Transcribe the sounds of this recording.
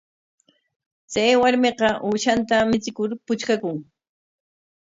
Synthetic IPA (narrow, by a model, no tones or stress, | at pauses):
t͡sajwaɾmeqɑʔuːʃant̪amɪt͡sɪkʊɾpʊt͡ʃkakʊŋ